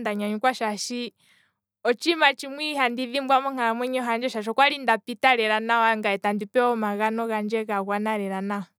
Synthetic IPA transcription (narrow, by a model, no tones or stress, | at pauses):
ndaɲaɲukwaʃaʃi | ɔt͡ʃimat͡ʃimwiɦandiðimbwamɔŋ̥aɾamwɛɲɛɔɦand͡ʒɛʃaʃ̬ɔkwalindapitaɾɛɾanawaŋɡaɛtandipɛɔmaɣanɔɣand͡ʒɛɣaɣwanaɾɛɾanaɔ